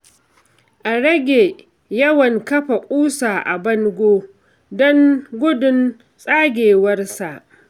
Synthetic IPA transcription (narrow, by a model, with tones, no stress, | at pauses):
ʔa˨ɽɐ˦ɡʲe˨ | jɐ˦wɐ˨ŋkɐ˦ɸa˨kʷʼuː˦saː˨ʔa˨bɐ˦ŋɡʷoː˦ | dɔ˦ŋɡʷʊ˦dʊ˦n | sʼaː˦ɡʲeː˨wɐ˦rsa˨ʔ